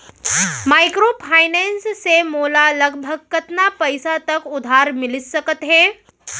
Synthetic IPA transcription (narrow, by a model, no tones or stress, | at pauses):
maːɪkɾopʰaːɪnɛ̃ːnssemoːlalɐɡʱbʱəɡ̚kɐt̪napəɪsat̪ɐkʊd̪ʱaːɾmɪlɪt̪sɐkət̪ɦɛ̃ː